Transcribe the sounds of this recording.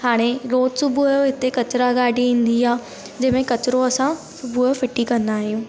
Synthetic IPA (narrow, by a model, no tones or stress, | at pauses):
ɦaːɽ̃eɾoːt̪sʊbʱujoɦɪt̪ekɐt͡ɕɪɾaɡaːɖʱiĩːn̆d̪iaː | d͡ʑɐɦmẽkɐt͡ɕɾoɐsã | sʊbʱujofɪʈikɐ̃nd̪aːɦijũː